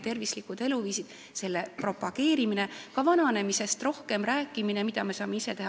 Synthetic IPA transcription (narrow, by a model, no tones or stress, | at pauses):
t̪e̞rvislikud̪̥e̞luviːsid̥̪ | se̞lːepro̞pɑɡ̥e̞ːɾimine̞kɑvɑnɑne̞mise̞st̪ro̞hke̞mɾæːkːˑimine̞mid̪̥ɑme̞sɑːme̞ise̞t̪e̞ɦɑ